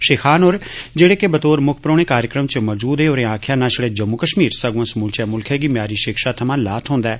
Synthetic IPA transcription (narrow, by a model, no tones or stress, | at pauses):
ʃeːkʰaːnoːɾd͡ʒeːɽeːkebət̪oːɾmʊkʰpɾoːneːkaːɾjəkɾəmt͡ʃmɔːd͡ʒuːd̪eːoːɾẽːãːkʰjãːnaːʃəɽeːd͡ʒəmːʊkəʃmiːɾsəɡʋə̃smʊlt͡ʃɛːmʊlkʰɛːɡiːmjaːɾiːʃɪkʃaːt̪ʰəmãːlaːt̪ʰɦõːnd̪aɛː